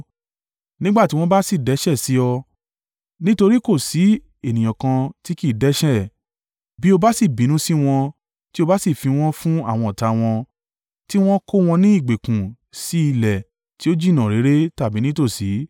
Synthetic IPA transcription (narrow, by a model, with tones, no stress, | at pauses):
nĩ˦ɡ͡ba˦˨ti˦wɔ̃˦ba˦si˦˨dɛ˨˦ʃɛ˦˨si˨˦ɔ˧ | nĩ˦to˧ɾi˦ko˦˨si˨˦ | e˨nĩ˨j̃ã˨kã˧ti˦ki˦˨dɛ˨˦ʃɛ˦˨ | bi˦o˧ba˦si˦˨bĩ˨˦nũ˦si˦w̃ɔ̃˧ | ti˦o˧ba˦si˦˨fi˧w̃ɔ̃˦fũ˦a̰˦˨w̃ɔ̃˧ɔ˨ta˧w̃ɔ̃˧ | ti˦w̃ɔ̃˦ko˦w̃ɔ̃˧nĩ˦i˦˨ɡ͡be˨kũ˨ | si˨˦i˧lɛ˨ | ti˨˦o˦d͡ʒi˦˨nã˨ɾe˨˦ɾe˦ta˦˨bi˨˦nĩ˦to˦˨si˨˦